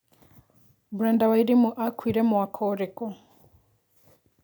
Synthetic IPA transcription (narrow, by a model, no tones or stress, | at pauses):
buɾɛndawaiɾimuʔakwiɾɛmuwakʰɔɾɛkɔ